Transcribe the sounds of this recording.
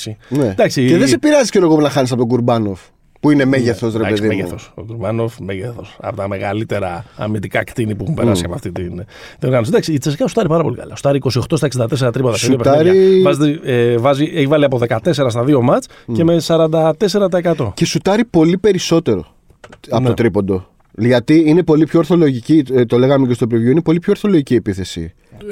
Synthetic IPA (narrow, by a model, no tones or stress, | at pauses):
sined̪ɐksieðesepiɾɐzisceɾoɣopunɐxɐnis̬ɐpot̪oɡuɾbɐnof | puinemeʝeθo̞sɾeɐkesðimeʝeθoso̰ɡuɾbɐnofmeʝeθo̞sɐ̰pot̪ɐme̞ɣɐlit̪e̞ɾɐɐ̰mid̪ikɐkt̪inipuɛxumpeɐsiɐpoɐft̪it̪inðioɣɐnos̬d̪ɐksiːt͡seskɐsu̥t̪ɐɾipɐɾɐpo̞̰likɐ̰lɐ̰su̥t̪ɐɾiːko̞sio̞xt̪ost̪ɐeksind̪ɐt̪e̞s̬eɾɐt̪ɾipot̪ɐseiopt̪ɾɐivɐzet̪eevɐzieçivɐliɐpo̞ðe̞kɐt̪e̞s̬e̞ɾɐs̬t̪ɐðio̞mɐt͡s | ce̞me̞sɐɾɐnd̪ɐt̪e̞se̞ɾɐt̪̬ɐekɐt̪o̞ce̞sut̪ɐɾipo̞lipe̞ɾiso̞t̪e̞ɾo̞̰ | ɐp̪ot̪ɾipo̞nd̪o̞ | ʝɐt̪iinepo̞lipçoːɾθo̞lo̞ʝicit̪o̞le̞ɣɐmecest̪opɾivʝuinepo̞lipçoɾθo̞loʝiciːepiθe̞sḭ